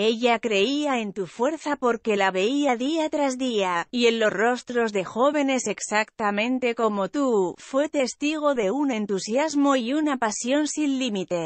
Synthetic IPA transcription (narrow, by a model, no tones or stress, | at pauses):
e̞ʝakɾe̞iae̞nt̪ufwe̞ɾθapo̞ɾke̞laβe̞iaðiat̪ɾazðiaie̞nlo̞sro̞st̪ɾo̞zðe̞xo̞β̞e̞ne̞se̞ksakt̪amẽ̞nt̪e̞ko̞mo̞t̪ufwe̞t̪e̞st̪iɣ̞o̞ðe̞une̞nt̪usjazmo̞iunapasjo̞nsinlimit̪e̞